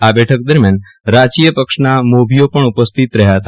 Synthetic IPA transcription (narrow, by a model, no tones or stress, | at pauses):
abɛʈʰək̚d̪əɾmjan | ɾat͡ʃijəpəkʂnamobiopəɳupəst̪ʰit̪ɾəɦjat̪ʰa